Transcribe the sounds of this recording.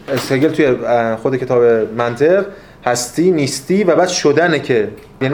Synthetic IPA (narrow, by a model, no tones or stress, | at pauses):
seɾɡe̞lt̪ʰujexod̪ecʰe̞t̪ʰɒːbe̞mænt̪ʰe̞ʁ | hæst̪iːnist̪iːvæbæːd̪ʃod̪ænecʰe | jæn